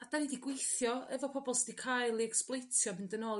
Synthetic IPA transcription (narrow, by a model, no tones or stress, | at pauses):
ad̥anidiɡwejθjɔɛvɔpʰɔbɔlˠsdikʰajlˠiɛksplˠejtʰjɔmɪndənɔlˠ